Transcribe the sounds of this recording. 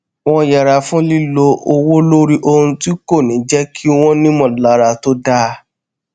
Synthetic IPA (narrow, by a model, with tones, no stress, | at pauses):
w̃ɔ̃˦ja˨ɾa˧fũ˦li˦lo˧ʔo˧wo˦lo˦ɾi˦ʔo˧hũ˧ti˦ko˦˨nĩ˨˦d͡ʒɛ˦kʰi˦w̃ɔ̃˦nĩ˦mɔ̃˨la˨˦ɾa˧to˦da˦